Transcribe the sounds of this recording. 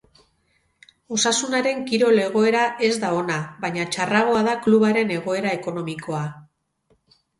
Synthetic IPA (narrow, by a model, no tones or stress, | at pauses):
o̞sasunaɾe̞ŋkiɾo̞le̞ɣ̞o̞e̞ɾaʔe̞zd̪ao̞naβaɲat͡ʃaraɣ̞o̞aðakluβaɾe̞ne̞ɣ̞o̞e̞ɾae̞ko̞no̞miko̞a